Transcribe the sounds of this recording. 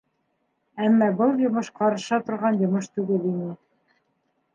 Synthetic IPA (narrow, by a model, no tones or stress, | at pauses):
æmːɑbɤlˠjŏmɤʃqɑɾɤ̆ʃɑt̪ŏɾʁɑnjŏmɤʃt̪ʉɡɘlinɘ